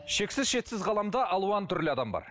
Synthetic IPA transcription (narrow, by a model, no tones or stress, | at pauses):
ʃe̞ksɪzʃe̞t̪sɪzʁɑlˠɑmd̪ɑʔɑlˠuɑnt̪ʰʏɾlɪɑd̪ɑmbɑ̰ɾ